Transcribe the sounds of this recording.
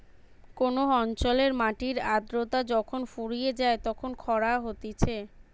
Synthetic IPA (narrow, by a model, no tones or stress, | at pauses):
konoɔnt͡ɕoleɾmaʈiɾad̪ɾot̪ad͡ʑɔkʰonfuɾijed͡ʑaet̪ɔkʰonkʰɔɾaɦot̪et͡ɕʰe